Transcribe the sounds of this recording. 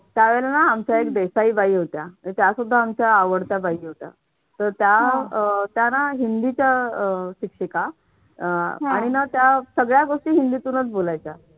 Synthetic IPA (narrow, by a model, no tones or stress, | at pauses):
t̪jaʋɛlanaamt͡ɕjaekd̪esaiːbaiɦot̪jait̪jasud̪ʱːaːmt͡ɕjaːʋəɽt̪jabaiːɦot̪ja̰ | t̪əɾt̪ja | t̪janaɦind̪it͡ɕjaɕikʂəka | aɽ̃inat̪jasəɡɭjaɡoʂʈiːɦind̪it̪uːnət͡sbolajt͡sa